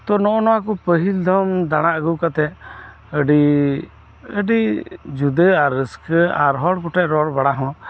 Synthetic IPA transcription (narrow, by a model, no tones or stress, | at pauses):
t̪ɔnɔʔɔnɔwakɔpəɦild̪ʱɔmd̪aɽ̃aʔəɡuwkat̪ɛ | əɖi | əɖid͡ʒud̪əaɾːəskəa̰ɾɦɔɽkɔʈɛʔ̚ɾɔɽbaɽaɦɔ̃